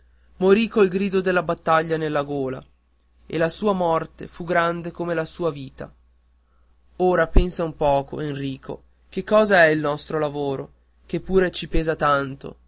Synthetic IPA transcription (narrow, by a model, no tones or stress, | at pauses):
moɾikoilɡɾiːd̪od̪elːabat̪ːaʎːanelːaɡoːla̰ | ḛlasuːamɔrt̪ḛfuɡɾand̪ekomelasuːaviːt̪a̰ | oːɾapɛnsaumpɔːko̰enriːkʰo̰ | k̟ekːɔːzaɛilnɔst̪ɾolavoːɾo̰ | kepːuːɾet͡ʃipeːzat̪ant̪o̰